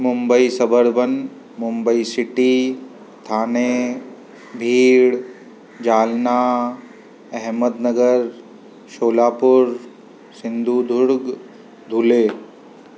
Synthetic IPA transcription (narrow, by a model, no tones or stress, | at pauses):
mʊmbəisəbʱəɾbən | mʊmbəisɪʈi | t̪ʰaːne | bʱiːɽ | d͡ʒaːlnaː | ɛɦməd̪nəɡəɾ | ʃoːlaːpʊɾ | sɪ̃nd̪ʱud̪ʱʊɾɡ | d̪ʱuleː